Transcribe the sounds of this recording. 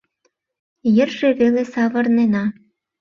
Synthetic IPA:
jə̆rʒeβelesɑβɤ̆rnenɑ

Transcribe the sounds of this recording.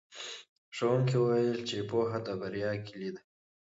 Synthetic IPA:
ʂowuŋkiwuwɐjəlt͡ʃepoɦat̪abɐɾjɑːkilid̪a

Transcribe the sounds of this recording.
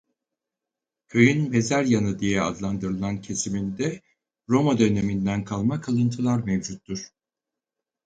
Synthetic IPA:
øjynme̞zæɾjanɯd̪ijɛa̰d̪lˠand̪ɯɾɯlˠancʰe̞simind̪ɛ | ɾo̞mad̪ø̞ne̞mind̪ænkʰalˠmakʰalˠɯnt̪ʰɯlˠaɾmevd͡ʒut̪ːuɾ̥

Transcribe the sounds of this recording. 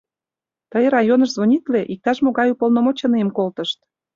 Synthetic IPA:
t̪əjrɑjonəʃzβonʲit̪leʔik̚t̪ɑʃmoɣɑjupolnomot͡ɕəneəmkolt̪əʃt̪

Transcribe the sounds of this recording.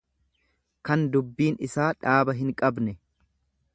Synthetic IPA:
kɐnd̪ʊbːiːnɪsaːᶑaːbɐɦɪŋkʼɐbnɛ

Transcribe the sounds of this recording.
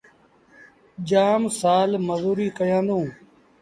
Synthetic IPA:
d͡ʒaːmsaːlməzuːɾiːkəjãːnd̪õː

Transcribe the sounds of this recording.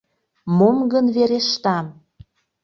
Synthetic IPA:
momɡənveɾeʃt̪ɑm

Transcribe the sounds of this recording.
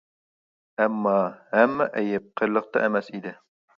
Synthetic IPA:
æmːɑhæmːɛʔɛjɛp̚qʰəɾlˠəq̚t̪ɑ̰ʔemɛsid̪ɪ

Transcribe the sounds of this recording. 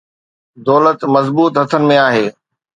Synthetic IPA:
d̪ɔːlət̪mɐzbuːt̪ɦɐt̪ʰənɪ̆mẽaːɦeː

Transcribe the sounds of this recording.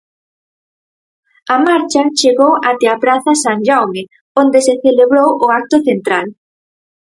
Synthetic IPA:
amaɾt͡ʃat͡ʃeɣowat̪eapɾaθɐsaŋʲʒawme | ond̪eseθeleβɾowʔʊak̚t̪ʊθent̪ɾal

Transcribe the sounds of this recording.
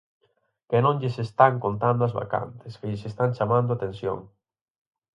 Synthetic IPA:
kenõŋʎɪsest̪aŋkont̪and̪ʊazβa̰ka̰nt̪ɪskeʎɪsest̪aŋt͡ʃamãnd̪ʊat̪ẽnsjo̰ŋ

